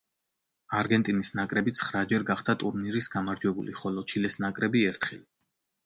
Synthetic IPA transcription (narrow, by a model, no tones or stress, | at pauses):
aɾɡɛnt̪ʼinisnakʼɾɛbit̪sʰχɾad͡ʒɛɾɡaχd̪at̪ʼuɾniɾisɡamaɾd͡ʒwɛbulḭχɔlɔt͡ʃʰilɛsnakʼɾɛbiɛɾt̪ʰχili